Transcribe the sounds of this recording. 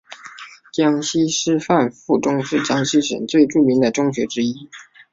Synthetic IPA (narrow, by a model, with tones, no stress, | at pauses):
t͡ɕjɑ˥ŋɕi˥ʂɻ̩˥fa˥˧nfu˥˩ʈ͡ʂʊ˥˧ŋʂɻ̩˥˩t͡ɕjɑ˥ŋɕi˥ʂə̰˨˩˦nt͡swe˥˧ɪʈ͡ʂu˥˩mi˧˥ŋd̪ə˨ʈ͡ʂʊ˥ŋɕɥɛ˧˥ʈ͡ʂɻ̩˥i˥